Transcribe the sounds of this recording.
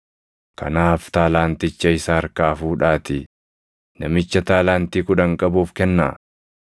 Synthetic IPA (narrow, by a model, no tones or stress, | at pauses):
kɐ̰naːft̪aːlaːnt̪ɪt͡ʃːɐɪsaːɐɾkaːfuːᶑaːt̪ɪ | nɐmɪt͡ʃːɐt̪aːlaːnt̪iːkʊᶑɐŋkʼɐbuːfkɛnːa̰ː